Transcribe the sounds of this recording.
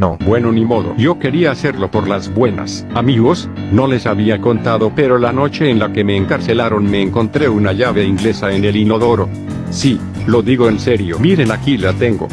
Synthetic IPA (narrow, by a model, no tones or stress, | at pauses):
nobwe̞no̞nimo̞ðo̞̰ʝo̞ke̞ɾiaːse̞ɾlo̞po̞ɾlazβwe̞na̰s | amiɣo̞s | no̞le̞saβiako̞nt̪aðo̞pe̞ɾo̞lano̞t͡ʃe̞ːnlake̞me̞ːŋkaɾse̞laɾo̞nme̞ːŋko̞nt̪ɾe̞unaʝaβe̞iŋɡle̞saene̞lino̞ðo̞ɾo̞ | si | lo̞ðiɣo̞ense̞ɾjo̞miɾe̞nakilat̪e̞ŋɡo̞̰